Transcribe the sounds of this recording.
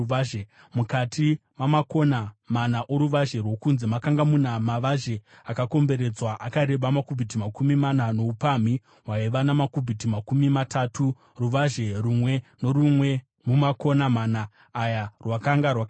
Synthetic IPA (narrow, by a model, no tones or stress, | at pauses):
e | mukatʰimamako̞namanaʔoɾuʋaʒe̞rwo̞kunzimakaŋɡamunamaʋaʒe̞ | akako̞mbe̞ɾe̞d͡zwaʔakaɾe̞ɓamakubʱit̬imakumimanano̞upami | ɦwaiʋanamakubʱit̬imakumimatatu | ruʋaʒe̞rumwe̞noɾumwe | mumako̞namanaː | jarwakaŋɡarwak